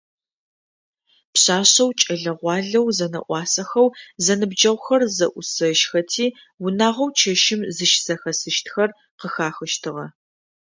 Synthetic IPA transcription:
pɕaːɕɐwt͡ʃʼɐɮɐʁʷɑːɮɐwzɐnɐ̰ʔʷɑːsɐxɐwzɐnɨbd͡ʒɐwʷxɐrzɐ̰ʔʷʊsɐʃxɐtʰiː | wʊnaːʁɐwt͡ʃʰɐʃɪmzɨʃsɐxɐsɨʃtʰxɐr | qəxaːxɨʃtʰɨʁɐ

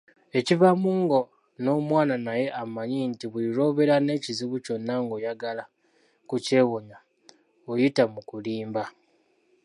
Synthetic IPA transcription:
e̞civamuːŋɡo̞ | no̞ːmwaːnanaje̞ʔamaɲintiβuiɾo̞βe̞ɾane̞ːciziβuco̞nːaŋɡo̞jaɡala | kuce̞ːwoɲa | ojitamukuliːmba

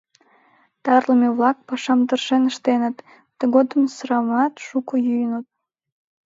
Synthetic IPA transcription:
t̪ɑrləmeβlɑk̚pɑʃɑmt̪ərʃenəʃt̪enət̪ː | əɣod̪əmsɾɑmɑt̪ʃukəjyjənət̪̚

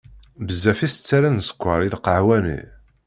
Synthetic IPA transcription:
bəzːæfist͡sːaɾænsə̥kʷːɑɾˤilqəʕwænḭ

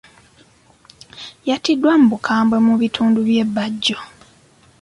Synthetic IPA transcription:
jatidːwamubukʰaːmbwe̞muβitʰuːnduβje̞bːaɟːo

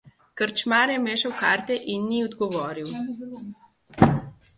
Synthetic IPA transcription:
kəɾt͡ʃmaːɾjɛmeːʃɐwkaːɾt̪ɛʔinːiɔd̪ɡɔʋɔːɾiw

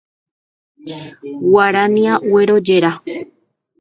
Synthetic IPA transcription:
waɾanĩãʔweɾod͡ʒeɾa

